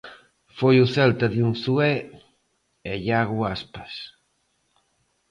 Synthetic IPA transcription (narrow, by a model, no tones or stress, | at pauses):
fojuθɛlt̪aðjuŋsuɛ | eʎaɣuaspḁs